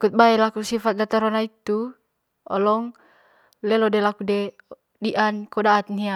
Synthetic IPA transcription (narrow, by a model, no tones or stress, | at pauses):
kut̪̚baɛlakusifat̪̚dat̪aɾɔnait̪u | ɔlɔŋ | lɛlɔdɛlakudɛ | diʔankɔdaːt̪̚nia